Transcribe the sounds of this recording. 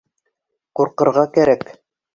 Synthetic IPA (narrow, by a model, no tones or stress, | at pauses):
quɾqɤ̆ɾʁɑkæɾæk